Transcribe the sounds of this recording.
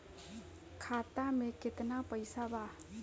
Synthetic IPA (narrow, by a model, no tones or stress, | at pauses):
kʰat̪ameket̪napəjsaba